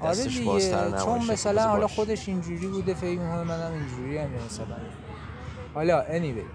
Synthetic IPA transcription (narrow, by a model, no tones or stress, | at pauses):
ʔɒɾed̪iɡet͡ʃʰonmæsælænhɒlɒxod̪e̞ʃind͡ʒuːɾiːbuːd̪e̞fe̞cmikʰo̞nemænæmind͡ʒuːɾiːæmjɒmæsælæ̰n | hɒlɒʔenibḛ